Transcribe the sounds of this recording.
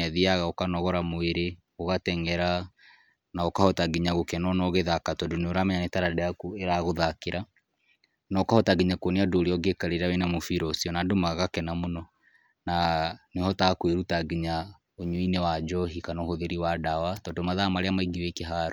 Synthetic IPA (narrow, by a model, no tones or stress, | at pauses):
ɛðiaɣaokanɔɣɔɾamoeɾe | oɣatɛŋɛɾa | naokahɔtaɡiɲaɣokɛnɔnɔɣeðakatɔdoneoɾamɛɲanetaɾadɛakueɾaɣoðakeɾa | naokahɔtaɡiɲakwɔneadoːɾeɔɡekaɾeɾawenamofiɾɔsiɔnadomaɣakɛnamonɔ | nanehɔtakweɾutaɡiɲa | oɲuinɛwad͡ʒɔɦikanɔhoðeɾiwadawatɔːndomaðamaɾeamaiɡiwekeɦaɾo